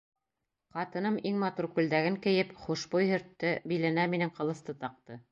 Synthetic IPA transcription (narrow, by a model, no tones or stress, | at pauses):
qɑt̪ɤ̆nɤmiŋmɑt̪urkʉld̪æɡɘŋkɘ̆jɘpχuʃbujhɵ̆ɾt̪ːɘbilæ̆næminɘŋqɤ̆lˠɤ̆θt̪ɤt̪ɑq̚t̪ɤ